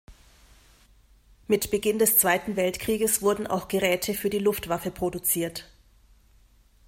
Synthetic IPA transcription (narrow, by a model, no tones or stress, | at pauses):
mɪtb̥əɡɪndɛst͡sv̥aɪtn̩vɛltkʁ̥iːɡəsv̥ʊɐdn̩ʔa̰ʊxɡ̥əʁɛːtʰəfyːɐdiːlʊftv̥afəpʁ̥odut͡siːɐt